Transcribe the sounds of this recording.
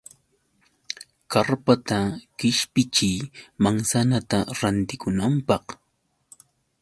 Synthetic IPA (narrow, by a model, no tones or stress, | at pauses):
kaɾpat̪akɪʃpɪt͡ʃɪjmaŋsanat̪aɾant̪ɪkʊnampɑχ